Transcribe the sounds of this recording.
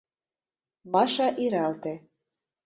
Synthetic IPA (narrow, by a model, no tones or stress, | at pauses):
mɑʃɑʔiɾɑlt̪e